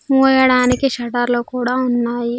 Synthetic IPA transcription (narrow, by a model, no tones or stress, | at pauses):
uːjɐɽaːnikiʃɐʈɐɾloːkuːɽaːunːaːji